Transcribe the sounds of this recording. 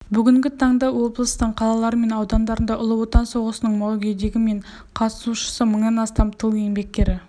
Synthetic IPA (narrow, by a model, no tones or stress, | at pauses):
bʏɡʲɪŋɡʲɪt̪ʰɑɴd̪ɑwo̞blˠəst̪əɴqʰɑlˠɑlˠɑɾəme̞nɑwd̪ɑnd̪ɑɾənd̪ɑʔʊlˠəwo̞t̪ɑnso̞ʁəsənəɴmɑwɡʲe̞d̪e̞ɡʲɪme̞ɴ | qʰɑt̪ə̥suʃə̥səməɴnɑnɑst̪ɑmt̪ʰəlˠje̞ŋbe̞k̚t̪e̞ɾɪ